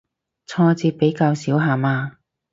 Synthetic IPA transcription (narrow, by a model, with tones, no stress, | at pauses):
t͡sʰɔː˧t͡siː˧pe˨˥jkaː˧wsiː˨˥wɦaː˨˧maː˧